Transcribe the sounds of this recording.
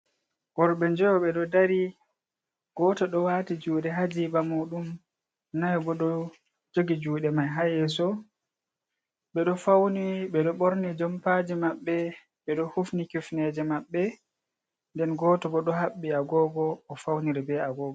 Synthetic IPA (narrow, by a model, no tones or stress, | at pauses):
ɡ̥ɔɾɓɛɲd͡ʒɛwɔɓɛɗɔdaɾi | ɡ̥ɔːtɔɗɔwatid͡ʒuːɗɛɦad͡ʒibamuːɗum | najbɔɗɔ | d͡ʒoɡid͡ʒuːɗɛmajɦajɛsɔ | ɓɛɗɔfawniɓɛɗɔɓoɾnid͡ʒɔmpad͡ʒimaɓːɛ | ɓɛɗɔhufnikɛfnɛd͡ʒɛmaɓːɛ | ndɛnɡɔːtɔbɔɗɔɦaɓːiaɡɔːɡɔːfawniɾɛbɛaɡɔːɡɔ